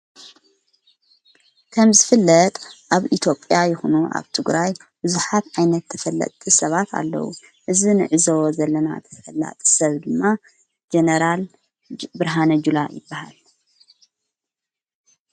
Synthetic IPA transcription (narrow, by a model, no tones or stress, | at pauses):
kʰɐmzɨfɨlːɐt̪ʼʔaβit̪ʰjo̞pʼjajɪxunuʔa̰βt̪ʰɨɡɾaj | bɨzuħat̪ʕajnɐt̪ːʰɐfɐlːɐ̰t̪ʼisɐβat̪ʰa̰lːɐ̰wṵ | ʔɨzinɨ̰ʕɨzɐwozɐlːɐna̰t̪ʰɐ̥t̪ʰɐfɐlːa̰t̪ʼi̥sɐβd̪ɨmːa | d͡ʒenɐɾal | bɨɾɦanɐd͡ʒulajɪ̰bːahal